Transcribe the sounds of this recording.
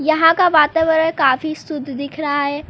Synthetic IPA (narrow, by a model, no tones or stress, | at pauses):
jɐɦãkaʋaːt̪aːʋəɾəɽkaːfisʊd̪ʱːd̪ɪkʰɾɐɦaɦɛː